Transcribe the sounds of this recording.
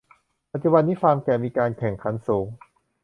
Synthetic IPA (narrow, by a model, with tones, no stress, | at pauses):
pa˨˧t̪̚t͡ɕu˧ba˧nːiː˦˥faː˧ŋkɛː˨˩miː˧kaː˧nkʰɛ˨˩˦ŋkʰa˧˥nsuː˩˦ŋ